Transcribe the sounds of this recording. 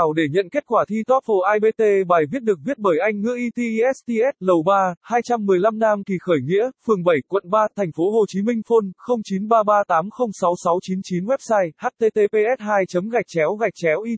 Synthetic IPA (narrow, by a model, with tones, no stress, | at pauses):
a˧˩wɗe˧˩ɲə̰˧˨nke˦˥t̚kwaː˧˩t̪ʰi˧t̪ɔ˦˥t̚fo˧˩ʔaː˧jɓe˧t̪e˧ɓaː˨˩jvi˦˥ət̚ɗɨ˨˩ək̚vi˦˥ət̚ɓəː˧˩jʔa˧jŋ̟ŋɨ̰˧˥əʔi˧t̪i˧ʔi˧ʔɛ˦˥st̪i˧ʔɛ˦˥t̚lə˨˩wɓaː˧haː˧jt͡ɕa˧mːɨ˨˩əjla˧mnaː˧mki˨˩xəː˧˩jŋḭ˧˥əfɨ˨˩əŋɓə˧˩jkwə̰˧˨nɓaː˧t̪ʰɛ˨˩jŋ̟fo˨˦ɦo˨˩t͡ɕi˨˦mï˧ŋ̟fo˧nxə˧wŋ͡mt͡ɕi˨˦nɓaː˧ɓaː˧t̪aː˨˦mxə˧wŋ͡msa˨˦wsa˨˦wt͡ɕi˨˦nt͡ɕi˨˦nwɛ˦˥p̚saː˧jhaː˦˥t̚t̪e˧t̪e˧pe˧ʔɛ˦˥t̚haː˧jt͡ɕə˨˦mɣa˨˩jk̚t͡ɕɛ˨˦wɣa˨˩jk̚t͡ɕɛ˨˦wʔi˧